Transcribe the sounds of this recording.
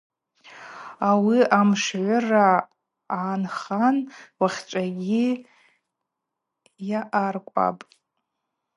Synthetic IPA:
awiamʂʕʷʊraː | nχanwaχʲʈ͡ʂʷʼaɡʲi | jaʔarkʷʼa̰pʼ

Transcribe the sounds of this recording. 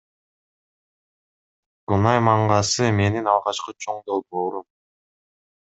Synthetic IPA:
kunɑjmɑɴɢɑsɯme̞ninɑlˠʁɑt͡ʃqɯt͡ʃʰo̞ɴd̪o̞lˠboːɾum

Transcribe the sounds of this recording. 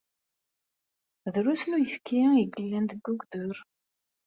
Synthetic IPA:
ðɾusnujəfkʰiiɡəlːænd̪əɡːʊɡdʊɾ

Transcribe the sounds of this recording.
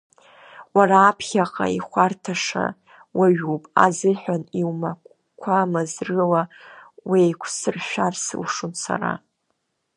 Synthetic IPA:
waraːpʰχʲaqʼa̰iχʷartʰaʂa̰ | waɥupʼa̰zɨħʷᶣaniwma | kʷʰamazrɨlawijkʷʰsɨrʃʷᶣarsɨ̰wʂunsa̰ra̰

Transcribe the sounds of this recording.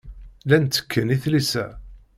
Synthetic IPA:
lænt̪ːə̥kʰːəniθlisæ

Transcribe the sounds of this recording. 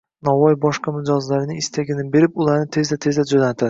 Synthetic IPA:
nɒvɒjbɒʃqamɪd͡ʒɒzlaɾɪnɪɪst̪ʰaɡʲɪnɪbe̞ɾɪpʊlˠaɾnɪt̪ʰe̞zd̪at̪ʰe̞zd̪ad͡ʒonat̪ʰa

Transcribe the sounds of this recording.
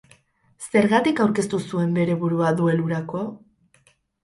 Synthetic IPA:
se̞ɾɣat̪ikawɾke̞st̪usue̞mbe̞ɾe̞βuɾuaðue̞luɾako̞

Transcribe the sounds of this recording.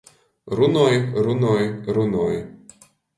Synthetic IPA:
ɾʊnɔjɾʊnɔjɾʊnɔj

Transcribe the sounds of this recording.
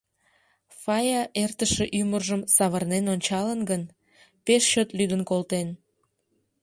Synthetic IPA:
fɑjɑʔert̪əʃeʔymərʒəmsɑβərnenonʲt͡ɕɑlənɡən | peʃːøt̪lyd̪ənkolt̪en

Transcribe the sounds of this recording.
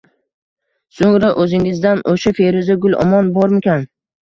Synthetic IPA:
soŋɾaʔɵzɪŋɪzd̪anʔoʃafeɾɪzɪɡʊlˠɒ̰mɒnbɒɾmɪkʲʰan

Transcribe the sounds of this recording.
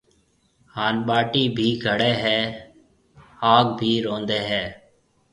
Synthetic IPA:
haːnɓaːʈiːbʱiːɡʱəɽeːɦɛː | aːɡbʱiːɾõːnd̪eːɦɛː

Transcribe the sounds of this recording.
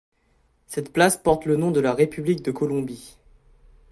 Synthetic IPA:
sɛt̪plaspɔʁt̪lənɔ̃d̪əlaʁepyblik̚d̪əkɔlɔ̃bi

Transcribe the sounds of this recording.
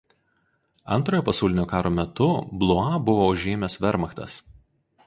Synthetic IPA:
ɐ̰nˑt̪ɾoːjoːpɐsɑˑʊlʲɪnʲoːkɑːɾoːmʲɛt̪ʊblˠʊɑbʊʋoːʊʒʲeːmʲɛsʋʲɛɾmɐxt̪ɐ̰s

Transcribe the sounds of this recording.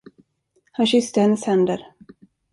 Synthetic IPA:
hanɕʏst̪əhɛnːəshɛnd̪əɾ

